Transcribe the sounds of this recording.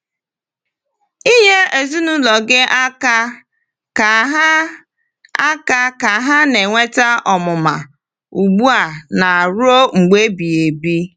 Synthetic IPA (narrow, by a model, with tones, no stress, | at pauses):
i˦ɦe˦ʔe˨zu˦nu˦lɔ˨ɡe˦ʔa˦ka˦ | ka˨ɦa˦ | a˦ka˦ka˨ɦa˦ne˨ŋʷe˦ta˦ʔɔ˨mʊ˨ma˨ | u˨ɡ͡bu˦a˨na˨ɾʊ˦o˦ŋ͡m̩˨ɡ͡be˦bi˨e˨bi˦